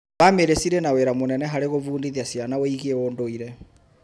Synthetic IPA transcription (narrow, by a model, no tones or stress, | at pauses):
βameɾesiɾenaweɾamonɛnɛɦaɾeɣoβuːndiðiasianawiɣeondoiɾɛ